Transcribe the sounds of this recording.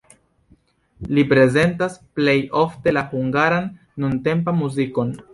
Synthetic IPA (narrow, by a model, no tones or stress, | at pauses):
lipɾe̞ze̞ntasplejo̞fte̞lahuŋɡaɾanː | unte̞mpamuziko̞n